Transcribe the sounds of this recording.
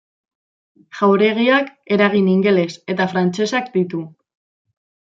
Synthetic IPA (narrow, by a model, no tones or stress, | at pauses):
ʝawɾe̞ɣ̞iake̞ɾaɣ̞iniŋɡe̞le̞se̞t̪afɾant͡se̞sakd̪it̪u